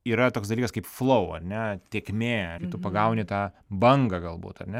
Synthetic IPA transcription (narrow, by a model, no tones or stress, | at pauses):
iːɾɐt̪oːksd̪ɐlʲikɐskɐɪpflˠɐʊɐ̰ɾʲnʲɛt̪ʲeːkmʲeːɪt̪ʊpɐɡɐʊnʲɪt̪ɑː | bɐŋɡɐɡɐlˠbṵːt̪ɐ̰ɾʲnʲɛ